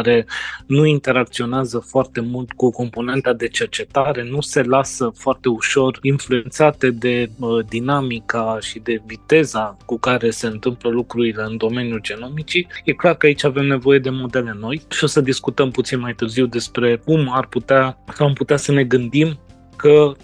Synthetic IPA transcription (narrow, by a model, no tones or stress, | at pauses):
aɾe̞nuint̪e̞ɾakt̪sio̞neazəfoart̪e̞mult̪kuko̞mpo̞ne̞nt̪ad̪e̞t͡ʃe̞rt͡ʃe̞t̪aɾe̞nuse̞lasəfoart̪e̞uʃo̞rinflue̞nt̪sat̪e̞d̪e̞əd̪inamikaʃid̪e̞vit̪e̞zakukaɾe̞se̞ɨnt̪ɨmpləlukɾuɾile̞ɨnd̪o̞me̞njuld͡ʒe̞no̞mit͡ʃije̞klarkəait͡ʃʲave̞mne̞vo̞je̞d̪e̞mo̞d̪e̞le̞no̞jʃio̞səd̪iskut̪əmput̪sinmajt̪ɨrziwd̪e̞spɾe̞kumarput̪easamput̪easəne̞ɡɨnd̪im | kʰə